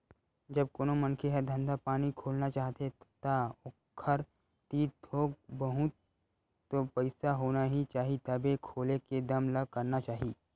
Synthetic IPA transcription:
d͡ʒɐb̚koːnomɐ̃nkʰeɦɛd̪ʱɐ̃nd̪ʱapaːnikʰoːlnat͡ʃaːɦt̪et̪aʊkʰːəɾ | t̪iːɾd̪ʰʱoːɡbɐɦʊt̪̚ː | opɐɪsaɦoːnaɦit͡ʃaːɦit̪ɐbekʰoːleked̪ɐmlɐɡ̚kɐɾnat͡ʃaːɦiː

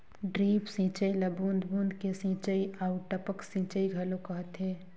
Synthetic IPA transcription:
ɖɾiːpsĩːt͡ʃəiləbuːnd̪ʱbũːnd̪kesĩːt͡ʃəiaʊʈəpəksĩːt͡ʃəiɡʱɐlokɐɦət̪ɦeː

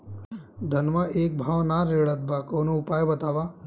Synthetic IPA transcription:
d̪ʱɐnʋaʔeːk̚bʱaːʋnaːɾeːɭɐt̪̚bakoːnuupaːjbɐt̪aːʋa

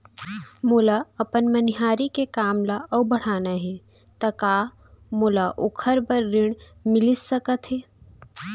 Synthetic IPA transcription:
moːlaɐpənmənɪɦaːɾikekaːmlaʔəwbəɽ̤aːnaɦɛ̃ | t̪ɐkaː | moːlaʔokʰəɾbəɾːɪɽ̃mɪlɪsːəkət̪ɦɛː

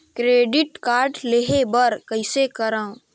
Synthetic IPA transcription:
kɾeːɖɪʈkaːɾɖleɦebəɾkəɪsekəɾãː

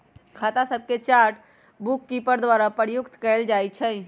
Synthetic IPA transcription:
kʰat̪asəb̚ʱket͡ʃaɾʈ | bukːipəɾd̪waɾapəɾjʊkt̪kɛld͡ʒajt͡ʃʰɛ

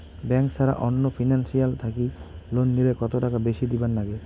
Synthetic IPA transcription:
bɛŋksaɾa̰ʔɔnːofʰinansialt̪ʰakilonːilekɔt̪oʈakabeʃid̪ibanːaɡe

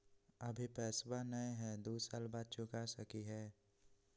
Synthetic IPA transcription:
əbʱipɛːswanəeɦɛd̪oːsaːlbaːd̪̚t͡ʃʊkasəkiɦɛː

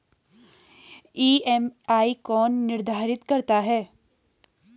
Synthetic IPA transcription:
iːɛmaːikɔːnːɪɾd̪ʱaːɾɪt̪kɐɾt̪aɦɛː

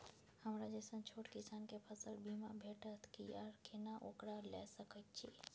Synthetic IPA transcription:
həmɾad͡ʒɛsənt͡ʃʰoʈkisaːnkepʰəsəlbimabʱeʈət̪ʰkḭəɾkʰenaʔokɾalɛ̰səkət̪̚t͡ʃʰi

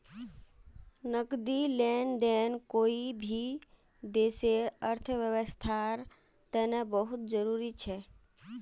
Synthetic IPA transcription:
nəkd̪ilɛnd̪ɛːnkoːibʱi | d̪eːseɾəɾt̪ʰəʋjəʋəst̪ʰaɾ | t̪ɛnebəɦʊt̪̚d͡ʒəɾuːɾit͡ʃʰɛ

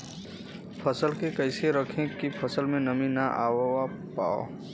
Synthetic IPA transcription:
pʰəsəlkekəɪseɾəkʰẽkipʰəsəlmẽnəminaʔaːwa | pa̰ːo̰

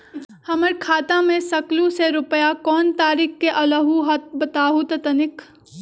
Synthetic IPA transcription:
hɐməɾkʰaːt̪ãmẽsɐklũseɾʊpəjakɔːnt̪aːɾɪkkeʔɐləɦuɦɐt̪̚bɐt̪aːɦut̪ɐt̪ɐnɪk

